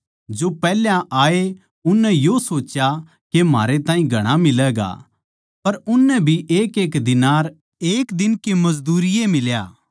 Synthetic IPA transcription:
d͡ʒopɛːljãʔaːe | ʊnːɛjosoːt͡ʃja | kema̰ːɾet̪ãːĩɡʱɐɽ̃amɪlɛːɡa̰ | pɐɾʊnːɛbʱiʔeːkeːkd̪ɪnaːɾ | eːkd̪ɪnkemɐzd̪uːɾɪjemɪlja̰ː

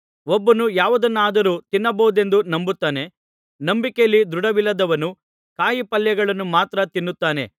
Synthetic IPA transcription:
ɔbːɐnujaːʋɐd̪ɐnːaːd̪ɐɾuːt̪inːɐbɐʋud̪e̞nd̪unɐmbut̪ːaːne̞ | nɐmbikejɐlːid̪ɾuɽɐʋilːɐd̪ɐʋɐnu | kaːjipɐljɐɡɐɭɐnːumaːt̪ɾɐt̪inːut̪ːaːne̞̰

